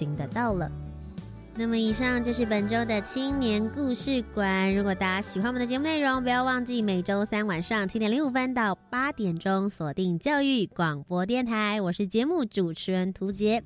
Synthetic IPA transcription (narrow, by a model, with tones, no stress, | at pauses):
i˧˥ŋd̪ə˧t̪ɑ˥˩ʊlə̰˩ | na˥˩mə˩i˨˩ʂɑ˥˧ŋt͡ɕjʊʂ̬ɻ̩˥˩pə˨˩nʈ͡ʂo˥ʊd̪ə˨t͡ɕʰi˥ŋnjɛ˧˥nku˥˧ʂɻ̩˥˩kwa˨˩˦nɻu˧˥kwɔ˨˩t̪a˧˥ɕi˨˩xwa˥nm˧nd̪ə˩t͡ɕɛ˧mu˥˧ne˥˩ɪɻʊ˧˥ŋp̬u˧˥jɑ˥˧ʊwɑ˥˧ŋt͡ɕi˥˩me˨˩ɪʈ͡ʂo˥ʊsa˥nwa˨˩nʂɑ˥˩ŋt͡ɕʰi˥t̪jɛ˨˩nli˧˥u˨˩fə˥nt̪̬ɑ˥˩ʊpa˥t̪jɛ˨˩nʈ͡ʂʊ˥ŋswɔ˨˩t̪i˥˩ŋt͡ɕjɑ˥˧ʊy˥˩kwɑ˨˩ŋpwɔ˧˥t̪jɛ˥˩nt̪ʰa˧˥ɪwɔ˨˩ʂɻ̩˥˩t͡ɕjɛ˧˥mu˥˩ʈ͡ʂu˨˩ʈ͡ʂʰɻ̩˧˩˥ə˧˥nt̪ʰu˧˥t͡ɕjɛ˧˥